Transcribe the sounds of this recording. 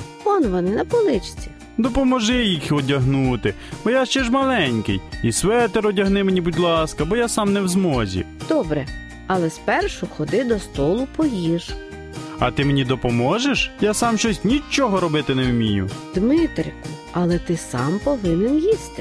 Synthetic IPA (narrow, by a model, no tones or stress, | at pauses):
kɔnʋɔnɪnɐpɔlˠɪt͡ʃt͡sʲi̥ | d̪ɔpɔmɔʒɪjixɔdʲɐɦnut̪ɪ | b̥ɔjaʃt͡ʃɛʒmɐlˠɛnʲkɪ̰jisʋɛt̪ɛɾɔdʲɐɦnɪmenʲibud̪ʲlˠɑskɐbɔjasɑmnɛwzmɔzʲḭd̪̥ɔbɾɛ | ɐlˠɛspɛrʃʊxɔd̪ɪd̪ɔst̪ɔlˠʊpɔjiʒ | ɐ̰t̪ɪmenʲid̪ɔpɔmɔʒeʃjasɑmʃt͡ʃɔsʲtʲnʲit͡ʃɔɦɔɾɔbɪt̪ɪnɛwmʲijʊd̪mɪt̪ɾʲɪkʊ | ɐlˠɛt̪ɪsɑ̰mpɔʋɪnɛnjist̪ɪ